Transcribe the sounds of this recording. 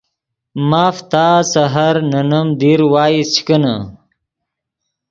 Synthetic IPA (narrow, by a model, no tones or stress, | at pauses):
maːft̪aːsɐɦɐɾnɐnɐmd̪iɾwaːit͡ɕʰi̥kəna̰